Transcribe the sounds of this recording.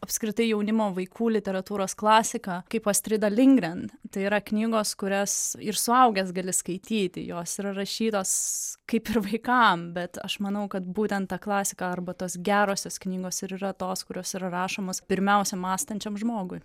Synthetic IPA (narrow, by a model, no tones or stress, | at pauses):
ɐpskɾʲɪt̪ɐɪjɛʊnʲɪmoːʋɐɪkʰuːlʲɪt̪ʲɛɾɐt̪uːɾoːsklˠɑːsʲɪkɑːkɐɪpoːsʲt̪ʲɾʲɪd̪ɐlʲɪŋɡɾʲɛnt̪ɐɪiɾɐknʲiːɡoːskʊɾʲɛsɪɾsʊɐʊɡʲɛs̬ɡɐlʲɪskɐɪt̪ʲiːt̪ʲɪ̰joːsiːɾɐrɐʃʲiːt̪oːskɐɪpɪɾʋɐɪkɑmbʲɛt̪ɐ̰ʃmɐnɐʊkɐt̪buːt̪ʲɛnt̪t̪ːɑːklˠɑːsʲɪkɐɐɾbɐt̪oːsɡʲæːɾoːsʲoːsknʲiːɡoːsɪɾiɾɐt̪oːskʊɾʲoːsiːɾɐɾɑːʃoːmoːspʲɪɾʲmʲɛʊsʲɛmɑːst̪ɐnʲt͡ʃʲɛmʒmoːɡʊɪ